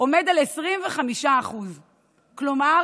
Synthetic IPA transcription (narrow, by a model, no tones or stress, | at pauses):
ʔo̞me̞dalesʁimveχamiʃaːχuz | kloma